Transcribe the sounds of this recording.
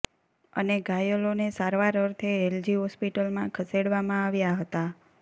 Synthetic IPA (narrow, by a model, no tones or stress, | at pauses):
ə̰neɡajəlonesaɾʋaɾəɾt̪ʰeːld͡ʒiɦɔspiʈəlmãkʰəseɽʋamãaʋjaɦət̪a